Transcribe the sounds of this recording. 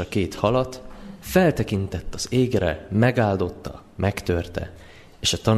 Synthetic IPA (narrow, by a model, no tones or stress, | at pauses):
ɒkeːt̪hɒlɒt̪fɛlt̪ɛkint̪ɛt̪ːɒz̥eːɡrɛ̰mɛɡaːld̪o̞t̪ːɒ̰ | mʔɛkt̪ørt̪ɛ̰ | eːʃɒt̪ɒn